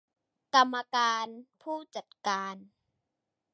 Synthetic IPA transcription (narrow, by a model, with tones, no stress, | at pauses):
ka˧mːa˧kaː˧npʰuː˥˩t͡ɕa˨˩t̪̚kaː˧n